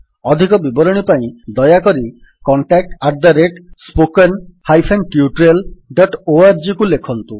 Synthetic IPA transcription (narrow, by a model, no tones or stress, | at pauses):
ɔd̪ʱikɔbibɔɾɔɽ̃ipaĩd̪ɔjakɔɾi | kɔɳʈak̚ʈaɾd̪aɾeʈspokenhajpʰenʈiuʈɾelɖɔʈoaɾd͡ʒikulekʰɔnt̪ũ